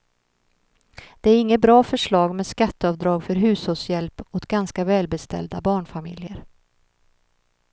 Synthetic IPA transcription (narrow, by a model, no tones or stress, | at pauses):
d̪̥ɛæɾɪŋːəbɾɑːfœʂɭɑːɡmeːd̪skat̪ːəɑːvd̪ɾɑːɡfœɾɦʉ̟ːshɔsjɛlpɔt̪ɡanskavɛːlbɛst̪ɛ̰ld̪abɑːɳfamɪ̰ljəɾ